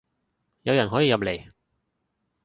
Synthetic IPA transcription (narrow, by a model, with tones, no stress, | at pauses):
jɐ˨˧wjɐ˨˩nɦɔː˨˥jiː˨˧jɐ˨p̬̚le˨˩j